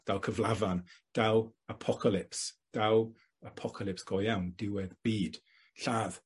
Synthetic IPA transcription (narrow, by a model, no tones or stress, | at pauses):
d̥awkʰəvlavand̥awəpʰɔkʰalɪpsd̥aw | əpʰɔkʰalɪpsɡ̥ɔjawndɪwɛðb̥iːd̥ | ɬaːð̥